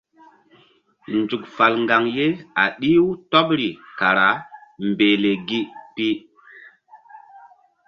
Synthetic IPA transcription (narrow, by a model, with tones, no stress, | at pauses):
nd͡zu˨k̚fa˨lŋɡa˨ŋje˦a˨ɗi˦wu˦tɔ˦pɾi˨ka˨ɾa˨˦mbe˨le˨ɡi˦pi˦